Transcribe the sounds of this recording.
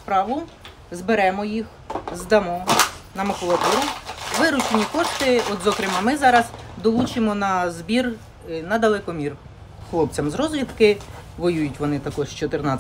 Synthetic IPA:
spɾɑʋʊ | zbeɾɛmɔjix | zd̪ɐmɔnɐmɔkʊlˠɐt̪uɾʊʋɪɾʊt͡ʃenʲikɔʃt̪ɪɔt̪zɔkɾɪmɑmɪzɑɾɐzd̪ɔlˠut͡ʃɪmɔnɐzbʲir | nɐd̪ɐlˠɛkɔmʲir | xlˠɔp̚t͡sʲɐmzɾɔzʋʲid̪kɪ | ʋɔjujʊtʲʋɔnɪt̪ɐkɔʒt͡ʃɔt̪ɪrnɑ

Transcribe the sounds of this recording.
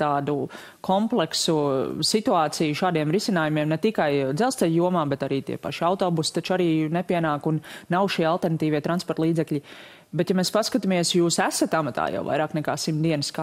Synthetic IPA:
t̪aːd̪u | kʰɔmplˠɛksusit̪uaːt̪sijuʃaːd̪iɛmɾisʲinaːjumiɛmnɛt̪ikajd̪zɛlˠst̪ɛʎʲjuɔmaːbɛt̪aɾiːt̪ḭɛpa̰ʃawt̪ɔːbust̪at͡ʃaɾiːnɛpiɛnaːkunːawʃiːalˠt̪ɛɾnat̪iːʋiɛt̪ɾanspɔɾt̪lˠiːd̪zɛklʲi | bɛt̪jamɛːspaskat̪amiɛsjuːsæsat̪amat̪a̰ːja̰wʋa̰jɾaːknɛka̰ːsimt̪d̪iɛnəska

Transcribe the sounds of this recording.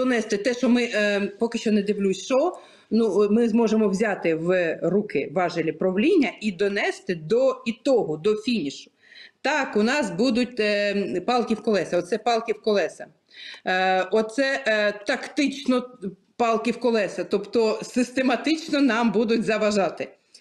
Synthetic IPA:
d̪ɔnɛst̪ɪt̪ɛʃɔmɪpɔkɪʃt͡ʃɔned̪ɪwlʲusʲʃɔ | numɪzmɔʒemɔwzʲɑt̪ɪwrukɪʋɑʒɪlʲipɾɔʋlʲinʲːɐʔid̪ɔnɛst̪ɪd̪ɔit̪ɔɦɔd̪ɔfʲinʲiʃʊ̥ | t̪ɑkʊnɑsbud̪ʊt̚ʲpɑlˠkʲiwkɔlˠɛsɐɔt̪sɛpɑlˠkʲiwkɔlˠɛsɐ | ɔt̪sɛt̪ɐkt̪ɪt͡ʃnɔ | pɑlˠkʲiwkɔlˠɛsɐt̪ɔpt̪ɔsɪst̪emɐt̪ɪt͡ʃnɔnɑmbud̪ʊtʲzɐʋɐʒɑt̪ɪ

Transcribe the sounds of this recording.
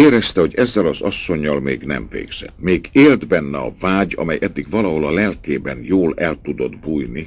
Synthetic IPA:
eːɾɛst̪ɛho̞ɟɛzːɛlɒzɒsːo̞ɲːɒlmḛːɡnɛ̰mvḛːɡz̥ɛ̰t̪meːɡeːld̪bɛnːɛɒ̰vaːɟɒ̰mɛjʔɛd̪ːiɡvɒlɒɦo̞lɒlɛlkeːbɛnjoːlɛlt̪ud̪o̞d̪buːjni

